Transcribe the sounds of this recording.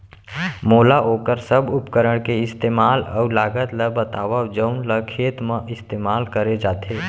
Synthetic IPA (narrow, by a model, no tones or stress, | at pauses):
moːlaʔoːkəɾsəbʱʊpkəɾəɽ̃keɪst̪eːmaːlə̰ʊlaːɡət̪ləbət̪aːʋəd͡ʒəʊnləkʰeːt̪mẽʔɪst̪eːmaːlkəɾed͡ʒaːt̪ʰe